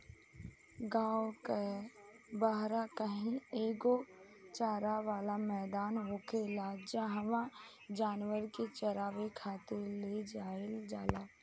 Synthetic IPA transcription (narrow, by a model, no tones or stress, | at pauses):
ɡãːwoke | baɦɾakəɦĩeːɡo | t͡ʃaːɾaʋaːlamɛːd̪aːnɦoːkelad͡ʒaɦəʋã | d͡ʒaːnwəɾket͡ʃəɾaːʋekʰaːt̪eled͡ʒaːeld͡ʒaːlaː